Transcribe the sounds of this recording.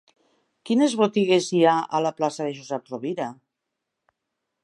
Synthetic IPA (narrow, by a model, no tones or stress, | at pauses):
kinezβot̪iɣ̞eziaa̰laplasaðeʒozɛp̪̚roβiɾa